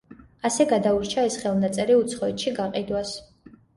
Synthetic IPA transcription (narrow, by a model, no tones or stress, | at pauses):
asɛɡad̪auɾt͡ʃʰaɛsχɛlˠnat̪sʼɛɾiut̪sʰχɔɛt̪ʃiɡaqʼid̪was